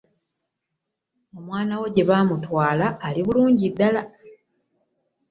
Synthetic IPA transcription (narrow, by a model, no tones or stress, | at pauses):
o̞mwaːnawo̞ɟe̞βaːmutwaːlaːliβuluːɲɟidːala